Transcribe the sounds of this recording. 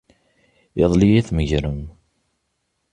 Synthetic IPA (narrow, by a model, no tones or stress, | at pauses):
əðˤlijæθməʝɾəm